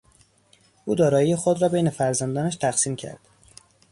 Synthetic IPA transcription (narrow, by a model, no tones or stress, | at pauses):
ʔuːd̪ɒːɾɒːjijexod̪ɾɒːbe̞jne̞fæɾzænd̪ɒːnæʃt̪ʰæxsiːmcʰæ̰ɾd̪̥